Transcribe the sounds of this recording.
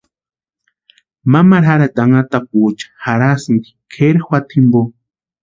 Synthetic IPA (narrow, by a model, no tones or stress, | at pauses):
mamaɾaɾad̪aŋat̪ak̚ut͡ʃḁhaɾasɨŋɡi̥kʰeɾxwat̪ʰimbo